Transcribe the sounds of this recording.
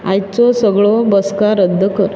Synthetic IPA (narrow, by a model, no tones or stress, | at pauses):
ajt͡sɔsəɡɭobəskaɾəd̪ʱːəkəɾ